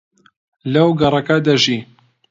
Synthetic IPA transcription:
lɐwɡɐrˤɐkɐd̪ɐʒi

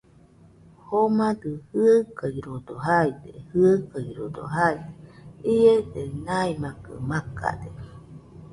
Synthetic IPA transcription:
homad̪ɯhɯakaiɾod̪oɦaid̪ehɯakaiɾod̪o̰ɦaiied̪enaimakɯ̰maka̰d̪e

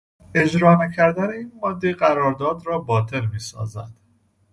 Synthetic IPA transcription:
e̞d͡ʒɾɒːnæcʰæɾd̪æneiːnmɒd̪ːeɢæɾɒːɾd̪ɒːd̪ɾɒːbɒːt̪ʰe̞lmiːsɒ̰ːzæd̪̥

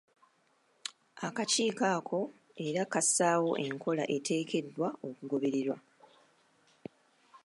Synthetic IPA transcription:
akaciːkaːkʰo̞ | e̞ɾakasaːwo̞ʔe̞ŋkʰo̞laʔe̞tʰe̞ːkʰe̞dːwao̞kuɡo̞βe̞ɾeɾwa

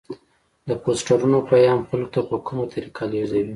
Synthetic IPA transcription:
d̪əposʈaɾunopajɑmxalkot̪apəkumot̪ʰaɾikʰɑljozawi

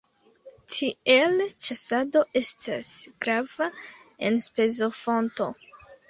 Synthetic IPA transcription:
tʰie̞lt͡ʃasado̞ʔe̞stʰasɡ̥ɾavae̞nspe̞zo̞fo̞nto̞̰

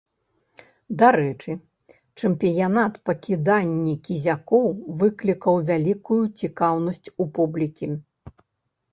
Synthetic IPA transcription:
d̪aɾɛt͡ʂɨ | t͡ʂɐmpʲijanat̪pɐkʲid̪anʲːikʲizʲakɔwvɨklʲikɐwvʲalʲikujut͡sʲikawnɐsʲt͡sʲupublʲikʲi

